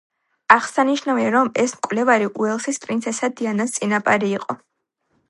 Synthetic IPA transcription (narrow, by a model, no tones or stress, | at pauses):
aʁsaniʃnaviaɾɔmɛsmkʼvlɛvaɾiʔuɛlˠsispʼɾint̪sʰɛsad̪ianast̪sʼinapʼaɾiːqʼɔ